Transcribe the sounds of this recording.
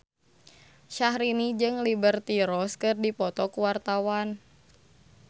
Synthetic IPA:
ʃahɾinid͡ʒɨŋlibərt̪iɾɔskɨrdipɔt̪ɔkuwart̪awan

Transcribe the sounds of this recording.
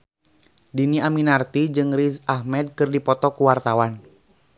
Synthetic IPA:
diniaminart̪id͡ʒɨŋɾizahmɛd̚kɨrdipɔt̪ɔkuwart̪awan

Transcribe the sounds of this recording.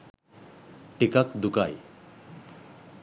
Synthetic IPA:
ʈikakd̪uka̰j

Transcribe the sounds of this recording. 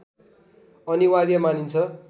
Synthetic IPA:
ʌniwad̪jʌmanint͡sʰʌ

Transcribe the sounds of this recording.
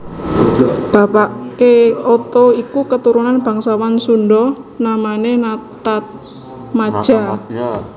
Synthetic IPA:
b̥a̤paʔkeot̪oikukət̪uɾunanb̥ä̤ŋsawansunɖɔnamanenat̪at̪̚ | mḁʒ̥a

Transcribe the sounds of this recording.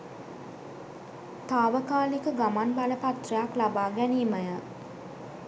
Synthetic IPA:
t̪aːʋəkaːlikəɡamanbaləpat̪rəjaklabaːɡɛniːməjə

